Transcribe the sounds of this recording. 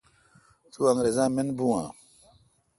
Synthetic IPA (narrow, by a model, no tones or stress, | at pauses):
t̪uaŋɾezãːmenbũwã̰